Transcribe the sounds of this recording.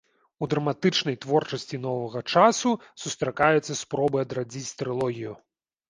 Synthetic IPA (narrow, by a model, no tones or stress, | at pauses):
ud̪ɾɐmat̪ɨt͡ʂnɐjt̪vɔrt͡ʂɐsʲt͡sʲin̪ɔvɐɣɐt͡ʂasusust̪ɾakajɛt̪sːɐspɾɔbɨɐd̪ɾad͡zʲit͡sʲt̪ɾɨlˠɔɣʲiju